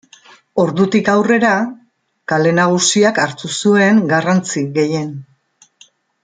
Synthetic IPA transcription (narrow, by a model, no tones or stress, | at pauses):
o̞ɾðut̪ikawre̞ɾa | kale̞naɣ̞usiakaɾt̪usue̞ŋɡarant͡siɣe̞je̞n